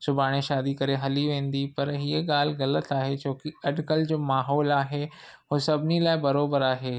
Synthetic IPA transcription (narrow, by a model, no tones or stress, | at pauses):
sʊbʱaːɽ̃eʃaːd̪ikɐɾeɦɐliʋẽːn̆d̪ipɐɾɦiəɠaːl̤ɣɐlət̪aːɦet͡ɕoːkɪɐɖkəld͡ʑoːmaːɦɔːlaːɦe | ɦoːsɐbʱɪnilaːɪbɐɾoːbəɾaːɦeː